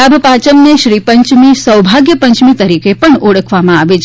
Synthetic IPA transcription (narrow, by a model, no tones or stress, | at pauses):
abʱpat͡ʃəmneʃɾipəɲt͡ʃmisəwbʱaɡjəpəɲt͡ʃmit̪əɾikepəɳoɽəkʰʋamãaʋet͡ʃʰ